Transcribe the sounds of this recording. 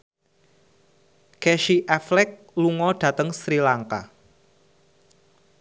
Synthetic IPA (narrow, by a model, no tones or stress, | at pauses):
kɛʃiʔɛflɛk̚ | luŋɔɖ̥ä̤t̪əŋsɾilaŋka̰